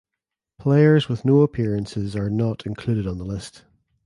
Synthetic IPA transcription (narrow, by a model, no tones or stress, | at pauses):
pʰl̥eɪə˞zwɪðnoːəpʰiɹə̃nsɪzə˞nəʔɪ̃nkʰl̥ʉɾɪdn̩ðəlˠɪst